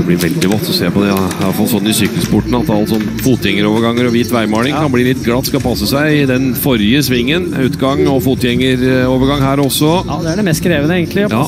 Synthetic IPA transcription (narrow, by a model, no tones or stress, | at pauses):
d̪ɛblɪɾʋɛld̪ɪʋɑt̪ʰːɔseːpɔd̪ɛlfɑlsɔnːɪsyːkəlspʰʊʈːɳ̩ɑt̪ɑlːsɔnːfuːt̪jɛŋːəɾoːʋəɾɡɑŋːəɾɔʋiːt̪ʋæɪmɑːlɪŋkkɑnbliːlɪt̪ːɡlɑt̪ːskɑlpʰɑsːəsæɪɪd̪ɛnfɔɾjəsʋɪŋːənʉːt̪ɡɑŋɔfuːt̪jɛŋːəɾoːʋəɾɡɑŋhæːɾɔsːɔ | d̪ɛæɖɛmɛst̪kɾeːʋənəeːɡənlɪɑː